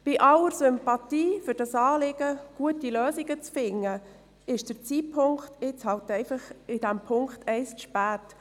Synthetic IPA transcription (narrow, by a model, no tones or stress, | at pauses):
b̥iʔɑləɾsʏmpɑtiːfʏɾd̥ɑsɑːlɪɡəɡ̥uətiløːsiɡət͡sfɪŋːə | ɪʃd̥əɾt͡siːpʰːʊŋkχtɪt͡shɑltɛɪfəχɪd̥æmpʰʊŋkχtʰɛɪsʃpæːt